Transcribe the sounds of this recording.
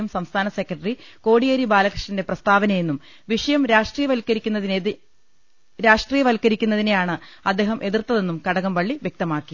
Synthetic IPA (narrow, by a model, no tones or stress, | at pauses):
ɐmsɐmst̪ʰaːnɐsekːrɐʈːɐri | ko̞ːɽijɐɾibaːlɐkrɨ̥ʂɳɐnde̞prɐst̪ʰaːbɐnɐjenːum | ʋiʂɐjɐmɾaːʂʈriːjɐʋɐlkːɐɾikʲːunːɐðin | ɾaːʂʈriːjɐʋɐlkːɐɾikʲːunːɐðinejaːɳɨɐd̪ːe̞ːɦɐmʔe̞ðirt̪ːɐðe̞nːumkɐɽɐɣɐmʋɐɭːiʋjek̚t̪ɐmaːkːi